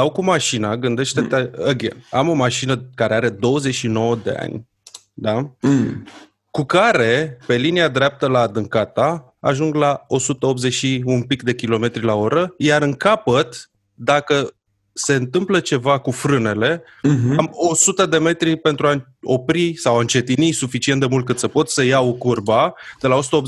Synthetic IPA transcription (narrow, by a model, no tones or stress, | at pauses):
sawkumaʃinaɡɨnd̪e̞ʃt̪et̪eəɡʲḛamo̞maʃinəkaɾe̞aɾe̞d̪o̞wəze̞ʃino̞wəd̪e̞̰a̰nʲ | d̪a | kukaɾe̞pe̞liniad̪ɾeap̚t̪əlaːd̪ɨŋkat̪a | a̰ʒuŋɡlao̞sut̪əo̞p̪̚ze̞ʃiumpikd̪e̞kʲilo̞me̞t̪ɾʲilao̞ɾəjaɾɨŋkapət̪ | d̪akə | se̞ɨnt̪ɨmplət͡ʃe̞vakufɾɨne̞le̞ | amo̞sut̪əd̪e̞me̞t̪ɾipe̞nt̪ɾua | o̞pɾisawaɨnt͡ʃe̞t̪inisufit͡ʃient̪d̪e̞mult̪̚kɨt̪səpo̞t̪səjaokurbad̪̥e̞lao̞su̥t̪əop